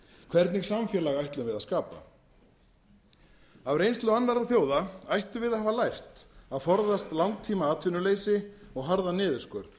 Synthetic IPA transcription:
kʰvɛɾt̪nɪɣsamfjɛlaɣajht̪lʏmvɪðaskaːpa̰ | avrejnst̪lʏanːaɾaθjoːwðaajht̪ʏvɪðaðhaːvalajr̥t̪aðfɔɾðast̪lawnt̪ʰːiːmaaːt̪ʰvɪnʏleːjsɪɔɣɦaɾðanɪːðʏskœɾð

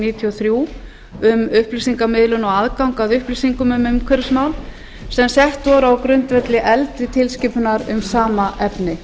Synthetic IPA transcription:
niːt̪ʰiɔθɾju | ʏmʏhplisiŋkamɪðlʏnɔɣaðkawŋkaðʏhplisiŋkʏmʏmʏmkʰvɛɾsmawl | sɛmsjɛht̪vɔɾawkɾʏnt̪vɛt̪lɪʔɛlt̪ɾɪt̪ʰɪlscɪpʏnaɾʏmsaːmaʔɛpnɪ

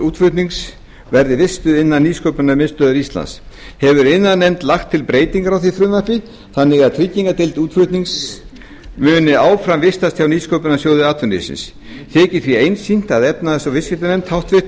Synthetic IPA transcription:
uːt̪fʏt̪niŋs | vɛɾðɪvɪst̪ʏðɪnːanːiːskowpʏnamɪnst̪œːðʏɾist̪la̰ns | hɛvʏɾɪnːaðnɛmt̪laxt̪ʰːɪlpɾeːjt̪iŋkaɾawθiθɾʏðmapɪ | θanːɪɣaðt̪ʰɾicːiŋkat̪ɪlt̪uːt̪fʏt̪niŋks | mʏːnɪaːwfɾamvɪst̪ast̪ʰçawniːskowpʏnasjoːwðɪaːt̪ʰʏnɪ̰sɪ̰ns | t̪ʰɛːcɪθɾiejnsin̥t̪aðɛpnaðɛsɔvɪskɪt̪ɪnɛmt̪hawht̪vɪht̪

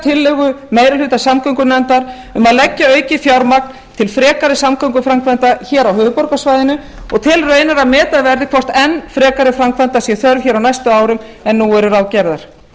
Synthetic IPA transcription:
t̪ʰɪlːɛɣʏmeːjɾalʏːt̪asamkʰœŋkʏnɛnt̪aɾ | ʏmaðlɛcːaœːɥcɪfjawɾmak̚n | t̪ʰɪlfɾɛːkaɾɪsamkʰœŋk̬ʏfɾamkʰvant̪açɛːɾawɦʏːvʏpɔɾkasvajðɪnʏ | ɔɣt̪ʰɪlrœːɥnaɾamɛːt̪aðvɛɾðɪkʰvɔr̥t̪ɛnːfɾɛːkaɾɪfɾamkʰvant̪asjɛθœɾvçɛːɾawnajst̪ʏmaːwɾʏmɛnːuɛɾʏɾawcɛɾðaɾ̥

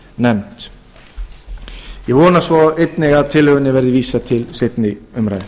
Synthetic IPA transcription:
nɛmt̪ | jɛɣvɔːnasvɔejt̪nɛɣaðt̪ʰɪlhœːɣʏnːɪvɛɾðɪviːsat̪ʰɪlsɪt̪nɪʏmɾajð

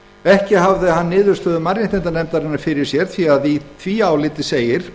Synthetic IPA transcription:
ɛhcɪɦavðɪahanːɪːðʏɾ̥st̪œːðʏmaɾjɪnt̪ɛnt̪anɛmt̪aɾɪnːaɾfɪɾɪ̥sjɛɾ̥θviaðiθʰviːawlɪːt̪ɪseːjɪɾ̥

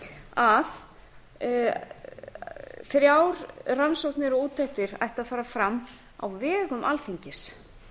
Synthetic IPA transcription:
að | fɪɾɪɾaːwɾransowht̪nɪɾɔuːt̪ʰːajht̪ɪɾa̰jht̪aðfaːɾafɾamː | a̰wvɛːɣʏmʔalθiɲcɪs

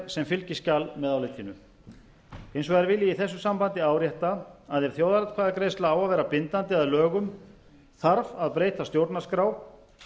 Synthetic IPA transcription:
sɛmfɪlcɪscalmɛðawlejt̪ʰɪnːʏ | ejnsɔɣɛɾvɪliiθɛsːʏsampant̪ɪaːwɾjɛht̪aːðɛɾ̥θjowðaɾat̪kʰvaðakɾejst̪laawaðvɛːɾapɪnt̪ant̪ɪaðlœːɣʏm | θaɾvaðpɾeːjt̪ast̪jowɾt̪naskɾaːw

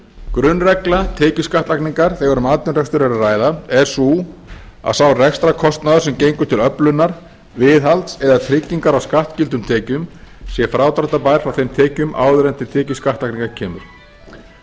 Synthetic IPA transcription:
kɾʏnːrɛklat̪ʰɛːcʏskaht̪akniŋkaɾ̥θɛɣaɾʏmaːt̪ʏnrɛkst̪ʏɾɛɾaraːjðaɛɾ̥su | a̰ðsaːwrɛxst̪ɾakʰɔst̪naðʏɾ̥sɛmcejŋkʏ̥t̪ʰɪlœplʏnːaɾ̥ | vɪðalt̪sɛðat̪ʰɾɪcːiŋkaɾawskaht̪cɪlt̪̬ʏmt̪ʰɛːcʏmsjɛfɾaːwt̪ɾaht̪apaːjɾ̥fɾawθejmt̪ʰɛːcʏma̰ːwðʏɾɛnt̪ʰɪlt̪ʰɛːcʏskaht̪akniŋkaɾcʰɛːmʏ̰ɾ̥

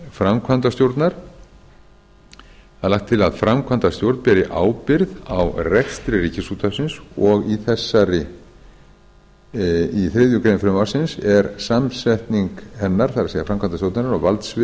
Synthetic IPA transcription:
fɾamkʰvant̪ast̪jowɾt̪naɾ̥ | aðlahkt̪ʰːɪlaðfɾamkʰvant̪ast̪jowɾt̪npɛːɾɪʔaːwpɪɾðawrɛxst̪ɾɪriːcɪsuːt̪ʰasɪnsɔɣiθɛsːaɾɪ | iθɾɪːðjʏkɾeːnɪfɾʏmawsɪnsɛɾsamsɛht̪niŋkhɛnːaɾ̥θaɾaseːɣafɾamkʰant̪ast̪jowɾt̪naɾɪɾawvalt̪svɪ

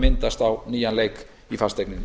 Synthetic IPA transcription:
mɪnt̪ast̪awniːanlejk | ifast̪ɛknɪn

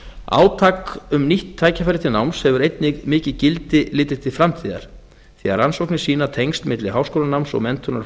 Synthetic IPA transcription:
a̰ːwt̪ʰaːkʏmniht̪ʰːaːjcafaɾɪt̪ʰɪnawmshɛvʏɾejt̪nɪɣmɪːcɪcɪlt̪ɪlɪːt̪ɪ̥t̪ʰɪ̥fɾamt̪ʰiːða̰ɾ̥ | θiaɾansowknɪsiːnat̪ʰejŋst̪mɪt̪lɪɦaːwskoːlanawmsɔ̰ɣmɛnt̪ʰʏnaɾ

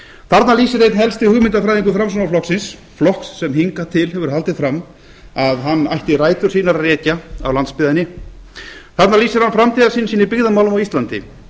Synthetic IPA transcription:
θaɾt̪naliːsɪɾejt̪nɦɛlst̪ɪhʏɣmɪnt̪afɾajðiŋkʏfɾams̬ɔnaflɔxksɪns | flɔhksːɛmɦiŋkat̪ʰɪlɦɛvʏɾ̥halt̪ɪðfɾamː | aðɦanːajht̪ɪraːjt̪ʏ̥siːnaɾarɛːcaa̰wlant̪spɪðanɪ | θat̪naliːsɪɾ̥hanfɾamt̪ʰiːðaɾsiːnsiːnɪɾpɪɣðamawlʏmawist̪lant̪ɪ̰

